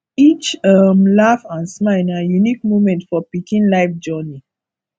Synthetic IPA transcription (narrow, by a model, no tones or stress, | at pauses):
it͡ʃʌmlafãnsmaɪajunikmomɛ̃ntfɔpikĩnlaɪfd͡ʒɔni